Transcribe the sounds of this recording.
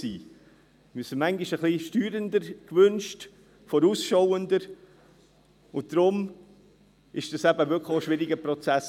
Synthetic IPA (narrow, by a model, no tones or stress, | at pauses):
ḭː | mɪsinmæŋɡiʃəχliʃtyːɾəndəɾkvʏnʃt | fɔɾuːsʃowəndəɾ | ʊnt̚d̥ɾʊm | ɪʃd̥ɑsæb̥əvʏkʰləʃʋɪɾɪɡəprɔt͡sæs